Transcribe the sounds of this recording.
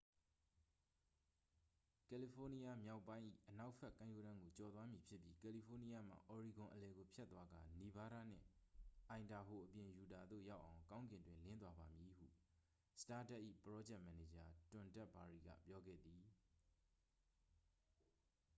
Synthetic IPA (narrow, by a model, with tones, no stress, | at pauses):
kɛ˨li˨pʰo˦ni˦ja˦mja˦ʊpːã˦ɪ̃ʔḭ˦˨ʔəna˦ʊʔpʰɛ˦ʔkã˦jo˦˨ɾã˦ŋɡo˨t͡ɕɔ˨d̪ðwa˦mji˨pʰjɪ˦pji˦kɛ˨li˨pʰo˦ni˦ja˦m̥a̰˨ʔɔ˨ɹi˨ɡʊ̃˨ʔəlɛ˨ɡo˨pʰjɛ˦t̪ːwa˦ɡa˨ni˦ba˦ɾa̰˦˨n̥ɪ̰̃˦˨ʔã˨ɪ̃nda˨ɦo˨ʔəpjɪ̃˨ju˨da˨d̪ðo̰˦˨ja˦ʊʔã˨ʊ̃ŋkã˦ʊ̃ŋɡɪ̃˨ndwɪ̃˦nlɪ̃˦nt̪̬wa˦ba˨mji˨hṵ˦˨ | sə̥ta˦tɛ˦ʔːḭ˦˨pəɹɔ˦d͡ʑɛ˦ʔmɛ˨ne˨d͡ʑa˨tʊ̃˨ntɛ˦ʔpa˨ɹi˦˨ɡa̰˦˨pjɔ˦ɡɛ̰˦˨d̪i˨